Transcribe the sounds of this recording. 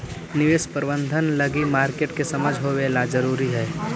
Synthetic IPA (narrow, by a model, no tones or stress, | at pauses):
nɪʋeːspəɾbə̃nd̪ʱənləɡimaːɾkeːʈkesəməd͡ʒʱɦoʋelad͡ʒəɾuːɾiɦɛː